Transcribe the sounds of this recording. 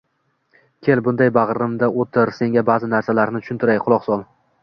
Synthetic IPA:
kʲʰe̞lbʊnd̪ajbaʁɾɪmd̪aʔot̪ʰɪɾse̞ŋɡʲabaːzɪnaɾsalaɾnɪt̪ʰʊ̥ʃʊnt̪ʰɪɾajqʰʊlˠɒqsɒlˠ

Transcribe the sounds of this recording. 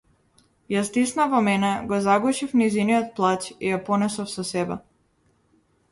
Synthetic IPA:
jast̪isnavɔmɛnɛɡɔzaɡɔʃifnizinijɔt̪̚plˠat͡ʃijapɔnɛsɔfsɔsɛbɛ̰

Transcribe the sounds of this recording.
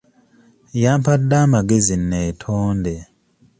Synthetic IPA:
jaːmpadːaːmaɡe̞zinːeːtʰoːnde

